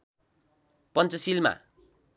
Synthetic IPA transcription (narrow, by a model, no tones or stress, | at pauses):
pʌnt͡sʌsilma̰